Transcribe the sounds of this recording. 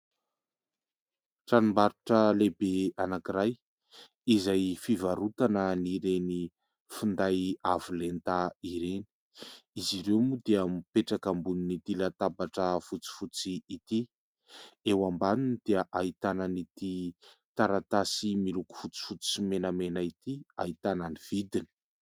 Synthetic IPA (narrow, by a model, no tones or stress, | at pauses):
ʈ͡ʂanimbaɾuʈ͡ʂəlebeanakiɾaj | izajfivaɾut̪anəniɾeni | fund̪ajavulent̪aiɾeni̥ | iziɾewmud̪eamipeʈ͡ʂakambuninit̪ilat̪abaʈ͡ʂəfut͡si̥fut͡siːt̪i | ewambaninid̪̥eəʔait̪ananit̪i | t̪aɾat̪asimiluku̥fut͡si̥fut͡simenəmenait̪ia̰it̪ananiv̥id̪ini̥